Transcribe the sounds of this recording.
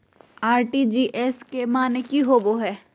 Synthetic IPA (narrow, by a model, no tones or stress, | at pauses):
aːɾʈid͡ʒiːʔɛskemaːnekiɦoboɦɛː